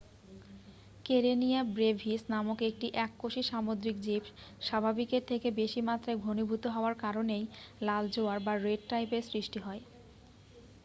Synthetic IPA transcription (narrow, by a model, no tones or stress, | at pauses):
keɾeniabɾebʱisnamokek̚ʈiʔɛkːoʃiʃamod̪ɾikd͡ʑipʃabʱabikeɾt̪ʰekebeʃimat̪ːɾaeɡʱonubʱut̪oɦɔoaɾkaɾonejlald͡ʑoaɾbaɾeɖ̚ʈajpeɾsɾiʃʈiɦɔe